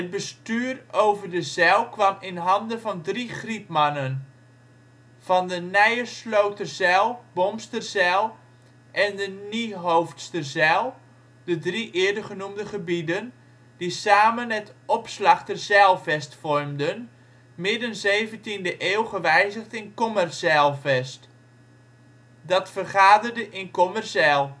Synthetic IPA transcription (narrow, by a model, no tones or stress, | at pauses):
ɦət̚bəstyːrowvəɹdəzɛlˠkʋɑmɪnɦɑndəvɑndriχripmɑnən | v̥ɑndənɛjərslowtərzɛlˠbɔmstərzɛlˠ | ʔɛndəniɦowftstərzɛlˠ | dədriʔɪːədərχənumdəχəbidən | disaːmənətɔpslɑχtərzɛlˠvɛstfɔrmdən | mɪdənzejvəntindəʔeːlˠχəʋɛjzəχtɪnkɔmərsɛlˠvɛst | dɑtfərχaːdərdəʔɪnkɔmərsɛlˠ